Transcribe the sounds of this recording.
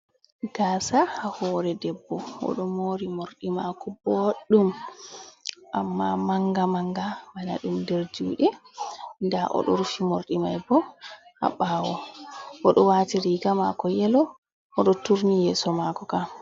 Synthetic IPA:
ɡ̥asahahɔːɾɛdɛbːɔɔ̰ɗɔmoːɾimoɾɗimakɔboɗːum | ʔamːamaŋɡamaŋɡamana̰ɗumdɛɾd͡ʒuːɗɛ | ndaʔɔ̰ɗɔ̰ɾufimoɾɗimajbɔha̰ɓaːwɔʔɔɗɔwatiɾiɡama̰kɔjɛlɔ | ʔɔɗɔtuɾnijɛsɔmakɔka

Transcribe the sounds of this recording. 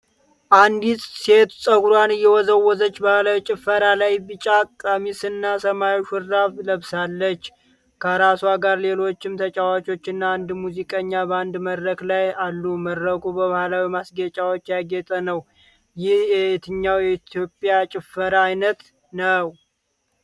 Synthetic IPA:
ʔand̪isʼse̞t̪sʼəɡuɾwanɨjːɛwɔzəwːɔzət͡ʃːbahlawit͡ʃʼɪfːəɾalajbɨt͡ʃʼakʼamisɨnːasəmajʃʊɾːaβləβsalːət͡ʃː | kʰəɾasuaɡaɾle̞lo̞t͡ʃːɪmt̪ʰət͡ʃʼawat͡ʃʼo̞t͡ʃːɪnːaand̪muzikʼəɲːabəand̪məd̪ɾəklajalːuməd̪ɾəɡubəβahlawimasɡet͡ʃʼawot͡ʃːjaɡɛt̪ʼənəw | jɪhjɛit̪ʰɨɲːawjɛit̪ʰjo̞pʼjat͡ʃʼɪfəɾaːjnət̪ | nəw

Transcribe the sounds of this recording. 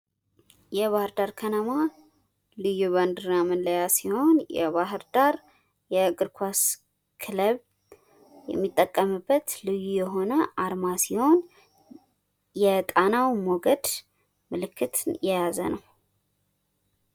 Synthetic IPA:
jɛβahɨɾd̪aɾkʰənəma | lɨjuβand̪ɨɾnamɨnləjasiho̞njɛ̰βaɦɨɾd̪aɾ | jɛɡʼɨɾkʰʷas | kʰɨləβ | jɛ̰mːit̪ʼːəkʼːəmɨbːət̪lɨjujɛɦo̞nəʔaɾmasiho̞n | jɛt̪ʼanawmoɡəd̪ | mɨlɨkʰːɨt̪ʰjɛjazə̰nəw

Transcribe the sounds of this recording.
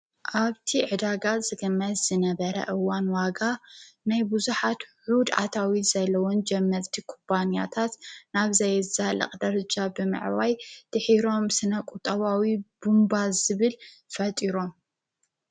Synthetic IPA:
ʔaβt̪ʰiʕɨd̪aɡat̪zɨɡɨmːɐt̪zɨnɐβɐɾɐ̰ʔɨwanwaɡanajbuzuħat̪ħud̪a̰t̪ʰawiz̥ɐlːɐwond͡ʒɛmːɐɾt̪ʰikʰompʰanija̰t̪ʰat̪naβzajɨzalɐ̰qʼd̪ɐɾɐd͡ʒabɨmɨ̰ʕwajt̪ʰɨħiɾo̞msɨnɐkʼut̪ʼɐβawib̥umbazɨβɨl | fɐt̪ʼiɾo̞m

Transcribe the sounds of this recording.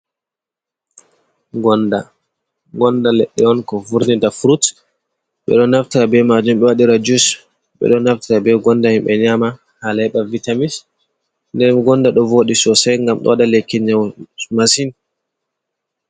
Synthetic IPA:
ɡɔnda | ɡɔndalɛɗːɛɔnkɔfuɾnidafɾut | ɓɛ̰ɗɔnaftiɾabɛmad͡ʒumɓɛwaɗiɾad͡ʒus | ɓɛ̰ɗɔnaftiɾabɛɡɔndahimɓɛɲama | halɛɗavitamis | ndɛnɡɔndaɗɔvoːɗisɔsɛjŋɡamɗɔ̰wadalekːiɲamasin

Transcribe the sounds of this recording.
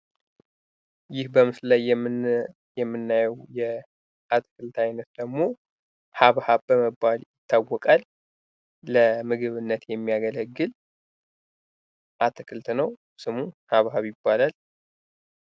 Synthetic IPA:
jɪhbəmɨslaj | jɛmːɨnːajɛwjɛ | ʔat̪ʰɨ̥kʰʼɨlt̪ʰajnət̪̚d̪əɡmo̞ | haβhaβbəməbːaljɪt̪ʰːawːɔkʼalː | əmɨɡɨβɨnːət̪jɛmːijaɡələɡːɨl | ʔat̪ʰɨkʰʼɨlt̪nəw | sɨmuhaβhaβjɪbːalal

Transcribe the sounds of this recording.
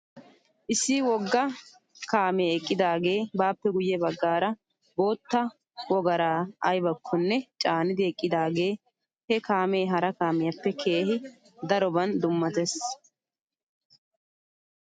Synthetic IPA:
ʔɪsːiwɔɡːɐ | kaːmeːɛkʼːɪd̪aːɡe̞ːbaːpːɛɡʊjːɛbɐɡːaːɾɐ | bo̞ːt̪ːɐ | wɔɡɐɾaːɐjbɐkʰːɔnːɛt͡ʃʼaːnɪd̪ɪɛkʼːɪd̪aːɡe̞ː | hɛkaːmeːɦɐɾɐkaːmɪjɐpːɛkʰe̞ːɦɪ | d̪ɐɾɔbɐnd̪ʊmːɐt̪es

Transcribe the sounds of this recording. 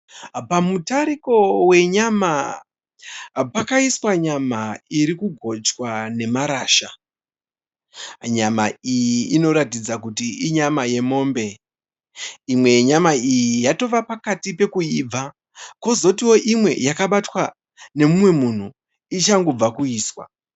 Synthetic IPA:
pamutaɾiko̞we̞ɲama | pakaiswaɲamaiɾikuɡʱo̞t͡ʃwane̞maɾaːʃa | ɲama̰ijiːno̞ɾatid͡zakutiiɲamaje̞mo̞ːmbe̞ | imwe̞ɲamaijijato̞ʋapakatipe̞kuiːb͡va | ko̞zo̞tiwoʔimwe̞̰jakaɓatwa | ne̞mumwe̞mun̤u | it͡ʃaŋɡo̞b͡vakuiːswa̰

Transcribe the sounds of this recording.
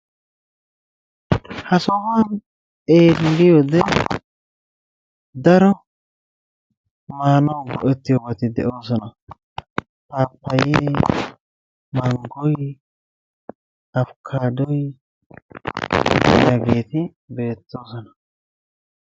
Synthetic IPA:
hɐsɔwan | e̞ːlɡɪjod̪ɛ | d̪ɐɾɔ | maːnɐwɡɔʔɛt̪ːɪjɔɡɐt̪ɪd̪ɛ̰ʔo̞ːsɔnɐ | paːpːɐjeː | mɐŋɡɔj | ɐfkʰaːd̪ɔj | djaɡeːt̪ɪ | be̞ːt̪ːo̞ːsɔnɐ

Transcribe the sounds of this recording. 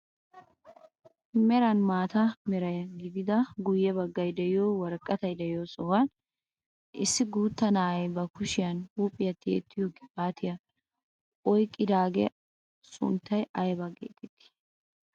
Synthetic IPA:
mɛɾɐnmaːt̪ɐmɛɾɐjɐɡɪd̪ɪd̪ɐɡʊjːɛbɐɡːɐjd̪ɛɪjoːwɐɾkʼːɐt̪ɐjd̪ɛjɪjosɔwɐn | ʔɪsːɪɡuːt̪ːɐnaːɐjbɐkʊʃɪjɐnhuːpʼːɪjɐt̪ːḛːt̪ʰːɪjokːɪ̥pʼaːt̪ʰɪjɐ | ʔɔjkʼːɪd̪aːɡɛ̰ | sʊ̰nt̪ːɐjɐjbɐɡḛːt̪ʰʼɛt̪ːɪ̥

